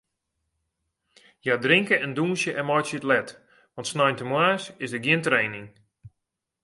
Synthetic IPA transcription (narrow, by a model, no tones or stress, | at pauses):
jadrɪŋkəɛnduːnsjəʔɛnmɔjsjətlɛt | ʋɔ̃ntsnɔjntəmwaːsɪsdəɡiəntreːnɪŋ